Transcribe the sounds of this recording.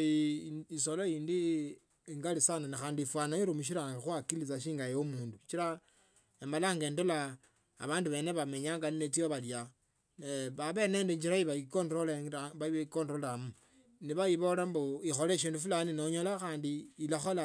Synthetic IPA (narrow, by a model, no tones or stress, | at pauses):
solojiːndi | ŋɡalisananixaːndifwanaiɾumuʃ̬iɾaŋɡaxwakilit͡saʃ̬iːŋɡajeomuːndut͡ʃiɾa | emalaŋɡe̞ːndola̰ː | βaːnduβe̞ːne̞βame̞ɲaːŋɡaninet͡sioβalja | eβaβe̞ːne̞ːndeɲd͡ʒiɾaiβaikondɾoleβakondolamu | niβajiβo̞lamboixoleʃ̬iːndufulaninoɲolaxaːndiːlaxola